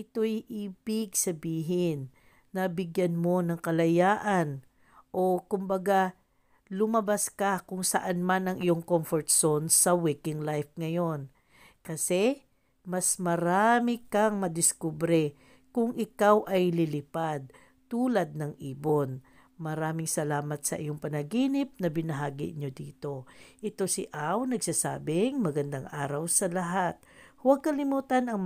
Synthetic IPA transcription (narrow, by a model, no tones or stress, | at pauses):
ʔɪt̪o̞jʔiːbɪɡsɐbiːɦɪnː | ɐbɪɡjanmo̞nɐŋkɐlɐjaːʔɐn | ʔo̞kʊmbɐɡa | lʊmɐbaskakʊŋsɐʔanmanɐŋʔɪjo̞ŋkomfoɹt̪̚sonsɐwikɪŋlajfŋɐjo̞n | kɐsɛ | mɐsmɐɾamɪkɐŋmɐd̪ɪskubɾɛ | kʊŋʔɪkawʔɐjlɪlɪpad̪̚ | t̪uːlɐd̪̚nɐŋʔiːbo̞n | mɐɾaːmɪŋsɐlaːmɐt̪sɐ̰ʔɪjoŋpɐnɐɡiːnɪp̚nɐbɪnɐɦaːɡɪ̰ɲo̞d̪iːt̪o̞ʔɪt̪o̞sɪʔawnɐɡsasa̰ːbɪŋmɐɡɐnd̪aŋʔaːɾɐwsɐlɐɦat̪̚hwɐɡ̚kɐlɪmuːt̪ɐnɐŋ